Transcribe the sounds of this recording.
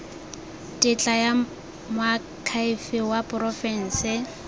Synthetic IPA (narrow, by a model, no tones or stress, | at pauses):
tʼɪt͡ɬʼaja | mʊa | kʰaifɪwapʼʊrɔfɛn̩ːsɪ